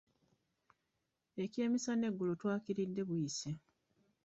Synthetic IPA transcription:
e̞ce̞ːmisane̞ɡːulotwaːkiɾidːe̞βujise

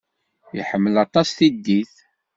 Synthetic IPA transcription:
iħəmːəlɑt̪ˤɑsθid̪ːiθ

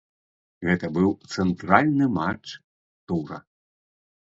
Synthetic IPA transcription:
ɣɛt̪ɐbɨwt̪sɛnt̪ɾalʲnɨmat͡ʂ | t̪uɾɐ̰

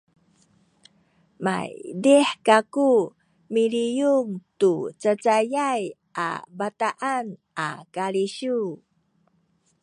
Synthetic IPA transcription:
ma̰jdiħkaku | milijuŋtut͡sət͡sajaj | ʔa̰bataʔanʔa̰kaɾiɕu

